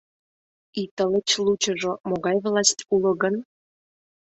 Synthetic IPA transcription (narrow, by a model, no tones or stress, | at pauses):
it̪ələ̆t͡ɕlˠut͡ɕə̆ʒomoɣɑjvlˠɑsʲtʲulə̆ɣə̆n